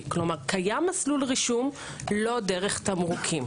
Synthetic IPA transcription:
klomaʁkajamːaslulʁiʃum | lo̞deʁeχt̪amʁukʰim

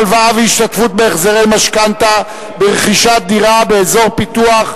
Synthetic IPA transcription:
lvaaveiʃt̪at̪fut̪̚beːχzeʁejmaʃkant̪a | beʁeχiʃat̪̚d̪iʁabe̞ezo̞ʁpit̪uaχ

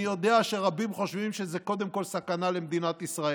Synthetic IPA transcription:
jo̞d̪eaʃeʁabimχo̞ʃvimʃezeko̞d̪emko̞lsakanale̞md̪inat̪isʁae

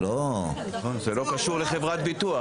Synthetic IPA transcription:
lonaχo̞nzelo̞kaʃuʁleχe̞vʁat̪bit̪ua

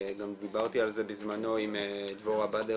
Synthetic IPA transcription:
ɡamd̪ibaʁt̪ialze̞bizmano̞imd̪voʁabad̪e

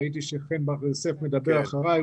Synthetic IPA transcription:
it̪̬iʃeχenbaʁesefme̞d̪abeʁaχaʁaj

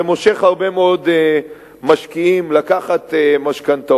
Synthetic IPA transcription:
emoʃe̞χhaʁbe̞meod̪e | maʃkiimlakaχat̪maʃkant̪a

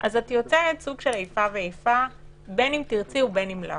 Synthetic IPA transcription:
ʔazatjot͡seetsuɡʃelejfaveejfa | benimt̪iʁt͡siubenimla̰

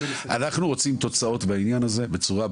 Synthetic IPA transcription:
ʔa̰naχnuʁo̞t͡simt̪o̞t͡sao̞t̪bainjanaze̞bet͡suʁa

